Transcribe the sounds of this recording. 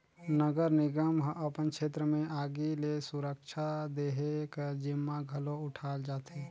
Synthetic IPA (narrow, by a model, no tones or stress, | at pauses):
nəɡəɾnɪɡəmɦʔəpənkʃeːt̪ɾəmẽʔaːɡilesʊɾəkʃʰad̪eɦekəd͡ʒɪmːaɡʱəloʊʈʰaːld͡ʒaːt̪eː